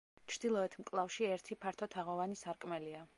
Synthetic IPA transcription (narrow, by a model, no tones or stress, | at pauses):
t͡ʃʰɾd̪̥ilˠɔɛt̪ʰmkʼlˠafʃiɛɾt̪ʰipʰaɾt̪ʰɔt̪ʰaʁɔvanisaɾkʼmɛlia